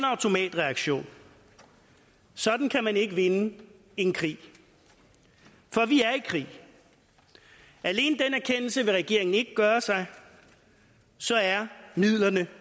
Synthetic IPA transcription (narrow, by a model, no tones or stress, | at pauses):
nɑ̈ʊt͡sʰo̝mɛ̰ːd̥ʁɛɑ̈ɡ̥ɕo̝̰ːn | sɒ̽d̥n̩kʰæmæne̝ɡ̥əʋe̝nə | e̝nkʰʁḭː | fɒ̽ʋiæɐikʰʁḭː | æle̝̰ːnəd̥enæɐkʰen̰l̩səʋe̝ʁɛɡ̥e̝ɐ̰e̝ŋn̩e̝ɡ̥əɡ̥ɶːɐsɑ̈ɪ | sɒ̽æɐmið̰ˠlɐnə